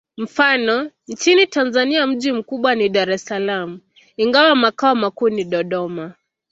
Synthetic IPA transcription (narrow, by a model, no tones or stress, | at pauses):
m̩fanɔ | nt͡ʃinitanzaniam̩ʄim̩kuɓwaniɗaɾɛsalamu | iŋɡawamakaɔmakuːniɗɔɗɔma